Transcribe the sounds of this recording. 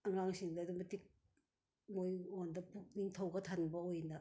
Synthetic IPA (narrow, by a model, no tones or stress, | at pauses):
ɐŋaŋsiŋdɐdumɐtik̚ | mojŋondɐpuk̚niŋtʰɐwɡɐtʰanbɐojnɐ